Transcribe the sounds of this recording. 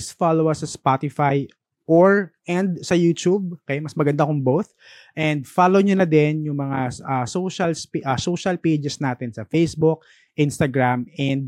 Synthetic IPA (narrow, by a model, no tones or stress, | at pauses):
sfalowɐsɐspat̪ɪfaj | ʔoɹʔɛ̃nd̪sɐjuːt̪ub̚kɐjamɐsmɐɡɐnd̪akʊŋbowθ | ʔɛnd̪falowɲonɐd̪ɛnjʊŋmɐŋaɐsoʃɐlspʔɐsoʃɐlped͡ʒɛsnaːt̪ɛnsɐfejsbʊk̚ | ʔɪnst̪ɐɡɹamɛnd̪̚